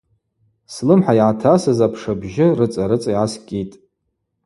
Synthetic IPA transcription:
slɨmħajʕatʰasɨzapʰʂabʒɪrɨt͡sʼaɾɨt͡sʼaiʕaskʲʼitʼ

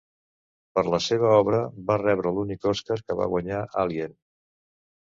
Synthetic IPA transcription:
pəɾləseβ̞əɔβɾəbarɛβɾəlunikɔskaɾkəβa̰ɣwəɲaʔalien

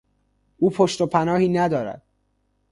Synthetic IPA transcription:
ʔuːpʰoʃt̪opʰænɒːhiːnæd̪ɒːɾæ̰d̪̥̚

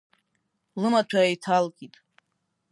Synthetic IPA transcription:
lɨmatʷʰaejtʰalɡʲʼitʼ

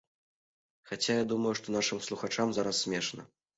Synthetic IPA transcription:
xat͡sʲajad̪umɐjuʂt̪ɔnaʂɨmslˠuxat͡ʂamzaɾɐsːʲmʲɛʂnɐ̰

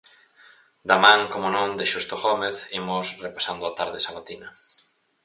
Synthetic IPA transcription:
d̪amãŋkomonõŋd̪ɪʃust̪oɣɔmeθimʊsrepasand̪ʊat̪aɾðɪsaβat̪inɐ

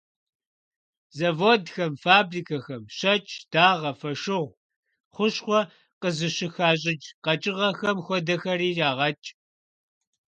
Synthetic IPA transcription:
zɐvoːdxɐmfaːbriːkʰɐxɐmɕɐt͡ʃʼd̥aːʁɐfɐʂɪʁʷ | χʷʊɕχʷɔ | qəzɨɕɪxaːɕ̬ʼɪd͡ʒqɐt͡ʃʼɪʁɐxɐmxʷɔdɐxɐɾiːraːʁɐt͡ʃʼ

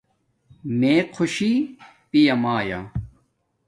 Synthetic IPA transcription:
meːqʰoɕi | pijɐmaːja̰

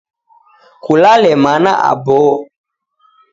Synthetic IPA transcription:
kulalɛmana̰ʔa̰boː

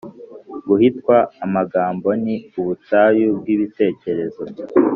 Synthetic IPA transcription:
ɡuhitkwaːmaɡaːmbo̞niuβutajub̚ɡiːβite̞ːce̞ɾe̞zo̞

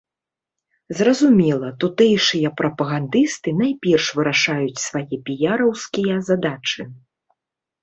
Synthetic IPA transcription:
zrɐzumʲɛlˠɐt̪ut̪ɛjʂɨjɐpɾɐpɐɣand̪ɨst̪ɨnajpʲɛrʂvɨɾaʂajut͡sʲsvajɛpʲijaɾɐwskʲijɐzad̪at͡ʂɨ

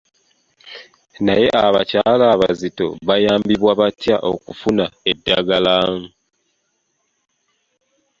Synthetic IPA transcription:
naje̞ʔaβacaːlaːβa̰zito̞̰βajaːmbiβwaβatjaʔo̞̰kufunaedːaɡalaːŋ̩

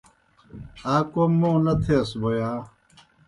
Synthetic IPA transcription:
aːkomːõːnɐt̪ʰeɐsbojaː

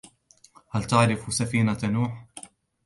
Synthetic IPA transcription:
halt̪aʕɾɪfsafiːnanuːħ

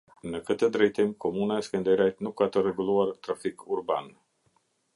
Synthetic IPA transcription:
ɨnəkɨt̪ed̪ɾet̪emkomunaskənd̪eɾʲat̪nukat̪əɾeɡuluart̪ɾafikurba̰n

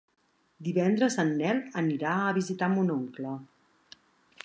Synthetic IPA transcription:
d̪iβɛnd̪ɾəzənːɛləniɾaəβizit̪amunoŋklə

